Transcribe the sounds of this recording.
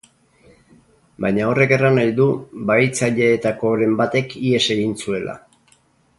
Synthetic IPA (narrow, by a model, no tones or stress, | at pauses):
bajɲao̞re̞ke̞ranajðubait͡saʎe̞ːt̪ako̞ɾe̞mbat̪e̞kie̞se̞ɣinsue̞la̰